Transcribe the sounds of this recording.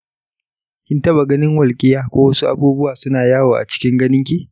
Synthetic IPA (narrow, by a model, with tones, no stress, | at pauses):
kʲɪ˦ntɐ˦ba˨ɡɐ˦nɪ˦ŋwɐ˨lkʲʼɪ˦jaː˦kʷoː˦wɐ˦su˦ʔa̰˨buː˦bʊ˦waː˨sʊ˦naː˨jaː˦woː˨ʔa̰˨t͡ʃɪ̥˦kʲɪ˦ŋɡɐ˦nɪ˦ŋkʲiː˦